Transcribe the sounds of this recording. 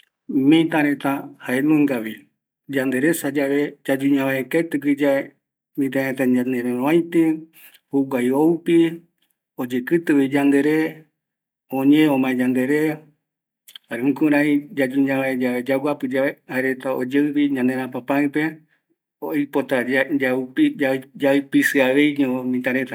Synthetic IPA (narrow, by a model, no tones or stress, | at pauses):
mĩt̪ãɾet̪ahaenũŋɡawi | d͡ʒand̪eɾesad͡ʒaʋed͡ʒad͡ʒuɲãβaekat̪ɨɡɨd͡ʒae | mĩt̪̬ãɾet̪aɲãnd̪eɾeɾõãj̃t̪e | huɡʷajoupi | od͡ʒekɨt̪ɨwid͡ʒand̪eɾe | õɲeõmãẽd͡ʒãnd̪eɾe | aɾeũkũɾaid͡ʒad͡ʒũɲãʋaed͡ʒaβed͡ʒaɡʷapɨd͡ʒaeaeɾet̪aod͡ʒeɨpiɲãnd̪eɾãpapãɨpe | oapot̪ad͡ʒapad͡ʒaɨpisɨaʋe̞jɲõmĩt̪ãɾet̪a